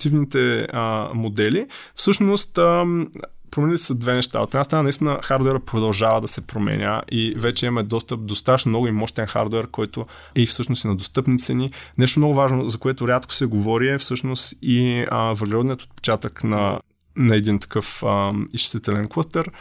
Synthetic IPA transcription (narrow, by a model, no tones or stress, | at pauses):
t̪ivnit̪ɛəmod̪ɛlifsɤʃnost̪ə | pɾomɛnʲilissɐd̪vɛnɛʃt̪a̰o̰t̪ɛd̪nast̪ɾnanɐist̪inəxaɾd̪owɛɾəpɾod̪ɐlˠʒavɐd̪ɐsɛpɾomɛ̰nʲə̰ʔivɛt͡ʃɛimɛd̪ɔst̪əp̚d̪ost̪at̪əʃnmnɔɡimɔʃt̪ɛnxa̰ɾd̪wɛɾkɔjt̪o | ɛifsɤʃnosinɐd̪ost̪ɤpnit̪sɛninɛʃ̬t̪omnoɔɡʊvaʒnozɐkoɛt̪ʊɾʲat̪ko̥sɛɡovɔɾiɛfsɤʃnost̪iəvəɾɡlɛɾɔd̪nijət̪o̥t̪̚pɛ̥t͡ʃat̪əknɐ | nɐɛd̪int̪ɐ̥kɤfəiʃsit̪ɛlɛnklˠəst̪ɛɾ